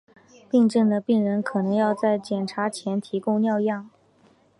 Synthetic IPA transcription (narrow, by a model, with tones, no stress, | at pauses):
pi˥˧ŋʈ͡ʂə˥˩ŋd̪ə˩pi˥˩ŋɻə˧˥nkʰɤ˨˩nɤ˧˥ŋjɑ˥˧ʊt͡sa˥˩ɪt͡ɕjɛ˨˩nʈ͡ʂʰa˧˥t͡ɕʰjɛ˧˥nt̪ʰi˧˥kʊ˥˧ŋnjɑ˥˧ʊjɑ˥˩ŋ